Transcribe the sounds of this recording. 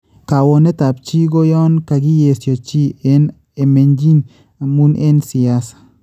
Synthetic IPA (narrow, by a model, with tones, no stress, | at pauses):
ka˨wɔ˨nɛ˦ta˨p̚t͡ʃi˦ɡo˦jɔ˦nka˨ɡi˦je˨sjɔ˨t͡ʃi˦e˦n | e˨me˨ɲd͡ʒi˦n | a˨mu˦nʔe˦nsi˨a˦sḁ˨